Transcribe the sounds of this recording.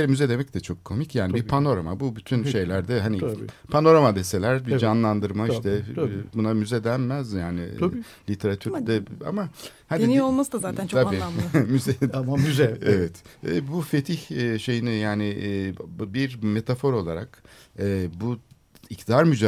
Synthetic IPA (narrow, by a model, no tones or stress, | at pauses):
eɾɛmyzɛd̪e̞mɛc̚t̪ɛt͡ʃʰo̞kʰːo̞micjaːnibiɾpʰano̞ɾama̰bubyt̪ʰynʃʃe̞jlʲæɾd̪ɛɦanipʰano̞ɾamad̪e̞se̞lʲæɾbid͡ʒanlˠand̪ɯɾmaiʃt̪ʰɛbunamyzɛd̪ænmæzjaːnɪ | lʲit̪ʰe̞ɾat̪ʰyɾd̪ɛa̰mahad̪iniolˠmasd̪azaːænt͡ʃ̪ʰabimyzed̪myzɛevɛt̪ɛbufe̞t̪ʰiçʃe̞jinijaːnɪ | biɾme̞t̪ʰafo̞ɾo̞lˠaɾa̰k | ɛːbu | ict̪ʰd̪aɾmyd͡ʒa